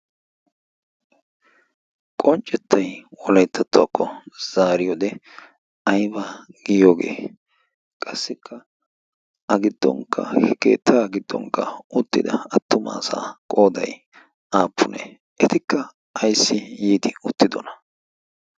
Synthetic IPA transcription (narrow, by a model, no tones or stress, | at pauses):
kʼɔnt͡ʃʼːɛt̪ʰːɐjwɔlɐjt̪ːɐt̪ːʊɐkːɔz̥aːɾɪjɔd̪ɛ | ɐjbaɡ̥ɪjo̞ːɡe̞̰ː | kʼɐsːɪkʰːɐ | ʔɐɡɪd̪ːɔ̰ŋkːɐ̰kḛːt̪ʰːaːɡɪd̪ːɔ̰ŋkːɐʔʊt̪ːɪd̪ɐɐt̪ːʊma̰ːsa̰ːkʼo̞ːd̪ɐj | aːpʰːʊnḛː | ʔɛt̪ɪkːɐ | ɐjsːɪjiːd̪ɪʊt̪ːɪd̪ɔnɐ̥